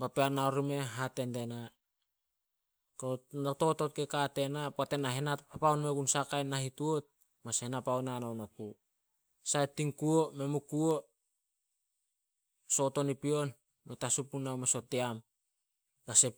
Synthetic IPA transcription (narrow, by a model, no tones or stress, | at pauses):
bapeanaoɾime̞ɦate̞nde̞na | konoto̞to̞t̚kekate̞napate̞naɦenatpapaunmeɡunsakajnːahituot̚ | masenapaonanawnoku | saetːiŋkuome̞mukuo | so̞to̞nipio̞n | metasupunawmesoteam | ɡase